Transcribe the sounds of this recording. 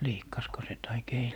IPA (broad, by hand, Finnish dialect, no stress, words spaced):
liːkːɑsko se tɑik ei